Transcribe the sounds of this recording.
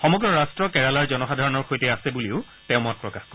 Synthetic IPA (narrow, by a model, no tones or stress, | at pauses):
xɔmɔɡɹɔɹastɹɔkɛɹalaɹzɔnɔxadʱaɹɔnɔɹxojtɛasɛbuliʊ | tɛʊmɔt̚pɹɔkaxkɔ